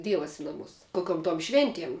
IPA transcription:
ˈdʲiɛʋɐs ɪ nɐˈmʊs koːˈkʲoːm toːm ˈʃʲʋʲɛnʲtʲiɛm

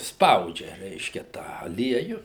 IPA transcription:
ˈspɐʊd͡ʒʲɛ ˈrʲɛɪʃʲkʲɛ ˈtɑː ɐˈlʲiɛjʊ

